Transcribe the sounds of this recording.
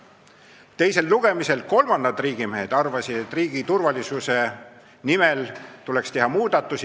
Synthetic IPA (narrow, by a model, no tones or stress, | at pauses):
t̪e̞jse̞lːuɡ̥e̞mise̞lko̞lmɑnd̪ɑd̪riːɡ̥imeɦed̪̥ɑrvɑsid̪̥e̞t̪ːˑriːɡ̥it̪urvɑlisuse̞ | nimelt̪ule̞kst̪e̞ɦɑmuːd̪̥ɑt̪ːˑusi